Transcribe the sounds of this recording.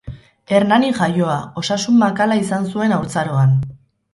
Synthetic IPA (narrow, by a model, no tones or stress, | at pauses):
e̞ɾnaniʝajo̞ao̞sasumːakalaisansue̞nawɾt͡saɾoan